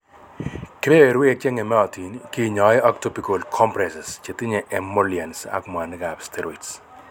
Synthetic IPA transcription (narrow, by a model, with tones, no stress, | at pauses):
kɪ˦be˦e˨ɾwi˦e˨t͡ʃe˦ŋe˨mɛ˦ɔ˨ti˨nki˦˨ɲɔ˨ja˦k̚to˦pi˨ko˨lkʰɔ˦mpɾɛsɛ˨st͡ʃe˨tɪ˦ɲe˨ʔɛmːo˦lia˨nsa̰˦km˨a˨nɪ˦ɡa˨bstʰɛ˦ɾɔ˨its